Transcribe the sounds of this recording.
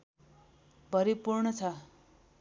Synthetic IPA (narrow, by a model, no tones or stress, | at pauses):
bʱʌɾipurɳʌt͡sʰʌ